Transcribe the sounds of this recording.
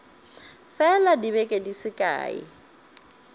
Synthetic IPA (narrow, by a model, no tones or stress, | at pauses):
fɛladiβɛkʼedisɪkʼa̰ːɪ̰